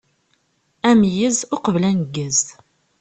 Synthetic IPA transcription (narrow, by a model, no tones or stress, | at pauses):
æmjəzʊqəvlænəɡːəz